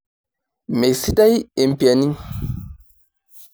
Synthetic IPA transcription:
me˨ksi˦ta˦je˨m˨pi˨a˨ni˦

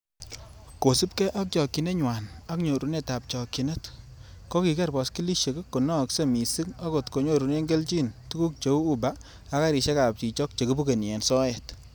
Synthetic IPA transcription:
ko˨si˦p̚kɛ˦ʔa˦k̚t͡ʃɔ˨kːi˨ne˦ɲwa˨na˦kɲo˨ɾu˨ne˦ta˨p̚t͡ʃɔ˨ki˨ne˦t | kɔ˦ki˨kɛ˦rbɔ˨ski˦li˦ʃe˨ke˦kːo˨nɔ˦˨kse˦mi˨si˦ŋa˦ko˨tko˨ɲo˦˨ɾu˨ne˦ŋɡe˦lt͡ʃi˦ntu˦ku˦k̚t͡ʃo˨˦u˦baː˦ | ka˦ɾi˨ʃe˦ka˨p̚ti˨t͡ʃɔ˦k̚t͡ʃe˨ku˦bu˦ke˨n˨ɛ˨nsɔ˦ɛ˨t

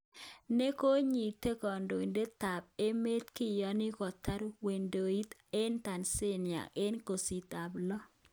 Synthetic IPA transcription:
ne˦ko˦ɲi˨t̪e˦kɔ˨ndo˨i˨nde˦t̪a˨b̚e˦me˦t̪kɪ˦jɔ˨˦nɪ˦kɔ˨t̪a˦ɾwe˨ndo˨i˦t̪e˦nt̪a˨nse˦nja̰˨e˦nko˨si˨t̪a˨blɔ˦

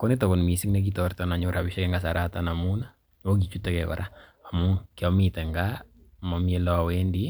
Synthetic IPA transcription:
kɔ˦ni˦tɔ˨kɔ˨lmi˨si˦kne˦k̬itɔrtɔna˨ɲo˦ɾa˨biʃɛ˦kɛŋɡasa˨ɾatana˨mu˦na | wo˦k̬i˨t͡ʃu˦tɛkɛkɔ̰ɾʔa˦a˨mu˦kjɔ˦mitɛ˨ŋɡama˨mie˦lɔ˦˨wendi

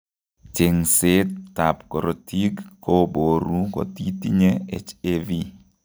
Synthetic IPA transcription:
t͡ʃe˨ŋse˦tːa˨pkɔ˨ɾo˨ti˦ɡːo˦bo˨ɾu˦ko̰˨ti˦ti˦ɲe˦ḛ˨t͡ʃe˦vi˦

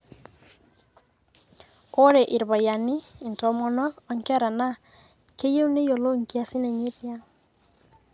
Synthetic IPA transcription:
o˦ɾe˨ʔi˨ɾβa˨ja˨niː˦˨ntɔ˨mɔ˨nɔ˦ɔ˨˦ŋkɛ˦ɾa˨na˦ | ke˦je˦u˦ne˦jo˨lo˦ŋkja˦si˦ne˨ɲe˦tja˦

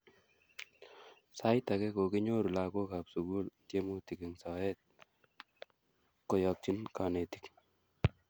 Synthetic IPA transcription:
sa˦jt̪a˨kɛ˦ko˨kɪ˦ɲo˦ɾu˨la˨ko˦ka˨psu˨ɡu˦lt͡ʃe˦mu˦ti˨ke˨ŋsa˨ɛ˦t̪̚ | kɔ˨jɔ˨k̚t͡ʃi˦nka˨ne˨t̪i̥˦k

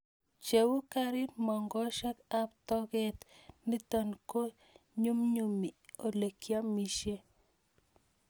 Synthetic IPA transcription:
t͡ʃe˨wu˦ka˦ɾɪ˦tmɔ˨ŋɡɔ˦ʃa˦ka˦pt̪ɔ˦ɡɛ˦˨t̪ni˦t̪o˨nko˦ | ɲu˦mɲu˦˨mi˨o˨le˨kja˦mi˦ʃe˦

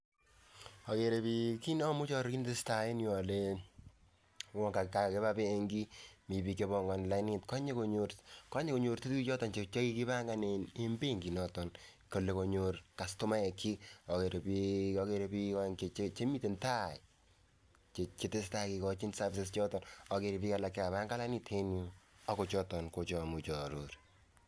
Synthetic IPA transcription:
ɔ˨ke˨ɾe˨pi˨ki˦nɔ˦mʊ˦t͡ʃɔ˦ɾki˦ntɪ˦sta˨ɪ˦njɔ˨le˦ | wɔ˨ŋka˨ka˨ke˦βa˦pe˦ŋɡi˦mi˨bi˨ke˨bɔ˨ŋɡɔ˨nla˨˦ni˦tkɔ˦ɲe˦ko˨ɲo˨ɾkɔ˦ɲe˦ko˨ɲo˨ɾte˦ki˦t͡ʃɔ˦tɔ˨nt͡ʃe˨t͡ʃɔ˦ki˦ki˦ba˦ŋɡa˦ne˨ne˦mbe˦˨ŋɡi˨nɔ˨tɔ˨nko˨le˨ko˨ɲo˨rka˨stʊ˦ma˦ɛ˨kʰi˦ɔ˨ke˨ɾe˨piɔ˦ke˦ɾe˨pi˦kɔ˦ŋke˨t͡ʃe˦t͡ʃe˦mi˦te˨nta˦˨i˨ | t͡ʃe˨t͡ʃi˦te˦sta˦ki˨kɔ˦t͡ʃi˦nsa˦fi˨sest͡ʃɔ˦tɔ˨nɔ˨ke˨ɾi˨pi˦ka˨la˨kːɛ˦ka˨βa˦ŋɡa˦la˦ni˦tʰe˦nju˦a˦ko˨t͡ʃɔ˦tɔ˨nko˨t͡ʃɔ˨mu˨t͡ʃɔ˨ɾo˨ɾ

